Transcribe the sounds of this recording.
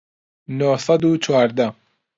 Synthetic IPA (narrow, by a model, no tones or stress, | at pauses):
nosɐd̪ut͡ʃʰwaːɾd̪a